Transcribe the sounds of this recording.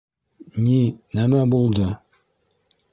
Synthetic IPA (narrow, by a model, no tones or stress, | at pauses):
ninæmæbulˠd̪ɤ